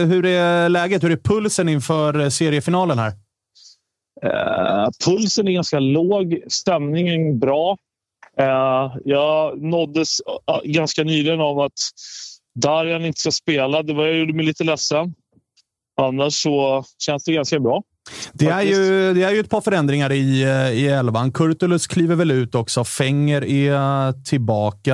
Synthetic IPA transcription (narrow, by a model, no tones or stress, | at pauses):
ɦɵɾɛlɛːɡət̪hɵɖɛæpʰɵlsənɪnfœːɾseːɾɪəfɪnɑːlənɦæ̰ɾ | ɛ̰pʰɵlsənæɾɡanskaloːɡst̪ɛmnɪŋənbɾɑː | jɑːnɔd̪ːəsɡanskanyːlɪɡənavat̪ | d̪æɾhanɪnt̪ə̥skaspeːlad̪ɛvajajuɖ̪ːəmɛɪjliːt̪əlɛsːən | ɔanːaʂːɔɕɛnsd̪ɛɡanskabɾɑː | d̪̥ɛæɾjɵd̪ɛæɾjɵɛt̪̚pʰɑːɾfœɾɛnd̪ɾɪŋaɾɪɪɛlvankʰɵɾt̪ʊlɵskʰliːvəɾvɛlʉ̟ːt̪ɔksɔfɛŋːəɾɛt̪ʰɪlbɑːka